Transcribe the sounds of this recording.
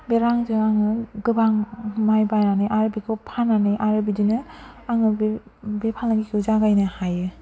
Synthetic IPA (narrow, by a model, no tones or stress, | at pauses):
beɾaŋzɯaŋɯɡɯbaŋmajbajnanɯjʔaɾɯbikʰɯpʰananajʔaɾɯbidinɯaŋɯbepʰalnaɡikʰiwzaɡajnɯhajɯ